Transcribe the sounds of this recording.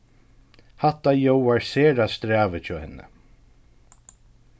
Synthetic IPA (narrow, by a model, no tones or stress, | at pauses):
hat̪ajowaɹseːɾast̪ɾæːvət͡ʃʰɔːhɛnːə̰